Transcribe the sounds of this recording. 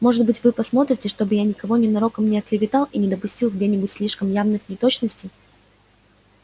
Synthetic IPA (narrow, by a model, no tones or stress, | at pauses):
mo̞ʐɨt̪̚bɨtʲvɨpɐsmo̞t̪ɾʲɪtʲɪʂt̪o̞bɨjanʲɪkɐvo̞nʲɪnɐɾo̞kəmnʲɪɐklʲɪvʲɪt̪ɑlˠinʲɪd̪əpʊsʲtʲilˠɡdʲenʲɪbʊtʲsʲlʲiʂkəmjavnɨxnʲɪt̪o̞t͡ɕnəsʲtʲɪj